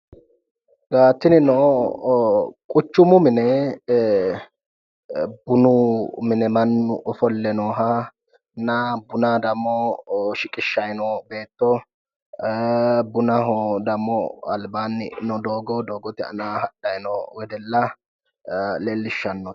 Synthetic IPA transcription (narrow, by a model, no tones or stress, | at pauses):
ɡ̥aːt̪ːɪnɪnɔ | kʼʊt͡ʃːʊmʊmɪnɛ | bʊnʊmɪnɛmɐnːʊʔɔfɔlːɛnɔːɦa | nabʊnad̪ɐmːɔʃɪkʼɪʃːɐjnɔbeːt̪ːɔ | bʊnɐɦɔd̪ɐmːɔɐlbaːnːɪ̰nɔd̪oːɡɔd̪oːɡɔt̪ɪɐ̰naːhɐɗːɐjnɔwɛd̪ɛlːɐ | leːlːɪʃːɐnːɔ